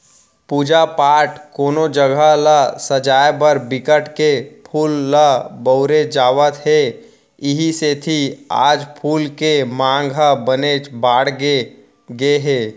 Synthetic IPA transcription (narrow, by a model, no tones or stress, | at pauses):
puːd͡ʒapaːʈkoːnod͡ʒəɡʱalasəd͡ʒaːjbəɾbɪkəʈkepʰuːlːabəːɾed͡ʒaːʋət̪ɦe | ɪɦiset̪ʰia̰ːd͡ʒpʰuːlkemãːŋɡʱabəneːt͡ʃbaːɽɡe | ɡeɦeː